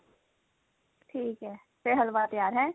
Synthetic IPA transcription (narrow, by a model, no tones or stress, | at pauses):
ʈʰiːkɦɛː | seɦəlʋat̪əjaːɾɦɛ̃ː